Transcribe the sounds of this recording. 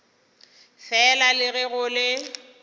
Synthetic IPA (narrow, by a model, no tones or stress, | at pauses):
fɛlalɪɣɪɣʊlɪ